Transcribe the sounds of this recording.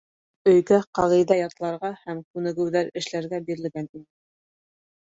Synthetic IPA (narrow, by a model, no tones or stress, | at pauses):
ɵ̆jɡæqɑðɤ̆jðɑjɑt̪lˠɑɾʁɑhæmkʉnɘ̆ɡɘ̆wðæɾɘ̆ʃlæɾɡæbiɾɘ̆lɡæninɘ